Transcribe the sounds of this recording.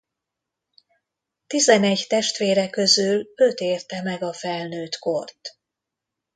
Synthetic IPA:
t̪izɛnɛɟt̪ɛʃt̪ʋeːɾɛkø̞zyløt̪eːrt̪ɛmɛɡɒfɛlnøːt̪ko̞rt̪

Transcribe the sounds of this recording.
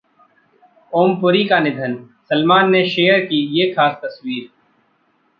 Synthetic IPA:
oːmpʊɾikanɪd̪ʱən | səlmaːnːeʃeːjəɾkijeːxaːst̪ɐswiːɾ

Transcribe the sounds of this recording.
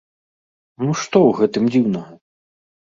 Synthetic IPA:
nuʂt̪ɔwɣɛt̪ɨmd͡zʲiwnɐɣɐ

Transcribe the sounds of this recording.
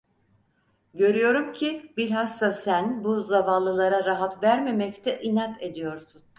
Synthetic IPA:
ɟø̞ɾyjo̞ɾumcʰibiɾʲɦasːasænbuzavanlˠːɯlˠaɾaɾaɦat̪væɾme̞mɛct̪ʰɛʔinat̪ʰe̞d̪ijo̞ɾsun

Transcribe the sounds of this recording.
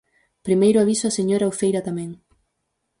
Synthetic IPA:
pɾimejɾʊaβisʊaseɲoɾaufejɾat̪amɛ̃ŋ

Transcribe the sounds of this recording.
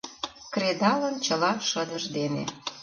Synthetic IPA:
kred̪ɑlə̆nt͡ɕə̆lɑʃə̆d̪əʒd̪enḛ

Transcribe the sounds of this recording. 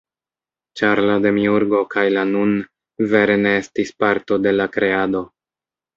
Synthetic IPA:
t͡ʃaɾlade̞miuɾɡo̞kʰajlanun | ve̞ɾe̞ne̞estispaɾto̞de̞lakɾe̞ado̞

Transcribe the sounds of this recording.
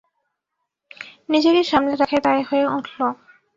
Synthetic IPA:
nid͡ʑedeɾʃamneɾakʰet̪aehoeuʈʰlo

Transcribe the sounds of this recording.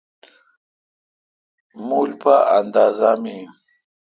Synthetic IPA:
mulpaand̪aːzami

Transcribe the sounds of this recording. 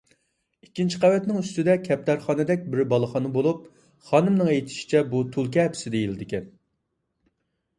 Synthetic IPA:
ikʲːint͡ʃʰi̥qʰævɛt̪nɪŋyst̪ɪd̪ɛkʲʰɛp̚t̪ʰæɾχɑnɨd̪ɛk̚ʲbɪɾbɑlˠəχɑnɨbolˠup̚ | χɑnɨmnɨŋejt̪ʰɪ̥ʃi̥t͡ʃʰɛbut̪ʰulˠkʲɛɦːpʰsɪd̪ejilɪd̪ɪkʲɛn

